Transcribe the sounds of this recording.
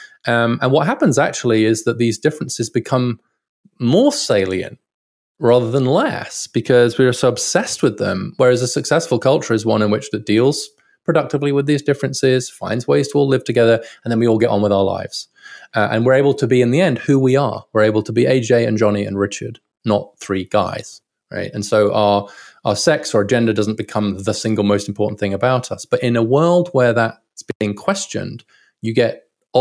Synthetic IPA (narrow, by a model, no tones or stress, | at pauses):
ʔʌ̃mə̃nwʌt̚ɦæpə̃nzæk̚t͡ʃul̩ˠiɪzðɨt̪̚ðizdɪfɹɨ̃nsɨzbɨkʰʌ̃m | mɔɹseɪlˠiɨ̰̃nʔ | ɹɑðə˞ðə̃nlɛ̰sb̥ɨkʰʌzwiə˞soʊəb̥sɛst̚wɨðə̰̃mwə˞ɨzəsɨksɛsfəlˠkʰʌlˠt͡ʃə˞ɨzwʌ̰̃nɨ̃nwɨt͡ʃðɨt̚d̥ilˠz̥ | pʰɹ̥ɨdʌk̚tɨvliwɨðizdɪfɹɨ̃nsɪz̥fã̰ɪ̃ndzweɪz̥tʰəɔlɪv̥tʰɨɡɛðə˞ə̃n̩ðə̃nwiɔlˠɡɛɾn̩wəðaʊə˞la̰ɪvz̥ | ʔʔə̰̃nwɪɹeɪblˠtʰəbiɨ̃nðiɛ̃nd̥hʉwiə̰˞wɪɹeɪbl̩ˠtʰəbieɪd͡ʒeɪɨ̰̃nd͡ʒɑniɨ̰̃nɹɪt͡ʃə̰˞dⁿ | nə̰t̪̚θɹiɡa̰ɪz̥ | ɹa̰ɪtɨ̃nsoʊʔaʊə˞aʊə˞sɛksə˞ɨd͡ʒɛ̃ndədʌzn̩b̥ɨkʰʌ̃mðəsɪ̃ŋɡl̩ˠmoʊstm̩pʰɔɹʔn̩θɪ̃ŋɨbaʊɾʌ̰sb̥ʌɾɪ̃nəwɜ˞lˠd̚wə˞ðət̚ | sb̥iɪ̃ŋkʰw̥ɛst͡ʃɨ̰̃nd̥ | jɨɡɛɾ